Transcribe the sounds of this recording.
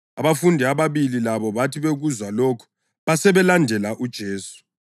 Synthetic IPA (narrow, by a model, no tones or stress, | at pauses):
aβafundʱiaβaβililaβɔβatʰiβeɣuzwalokʰɔ̥ | βasɛβɛlandʱɛlaʔud̥ʒ̥ʱeːsu̥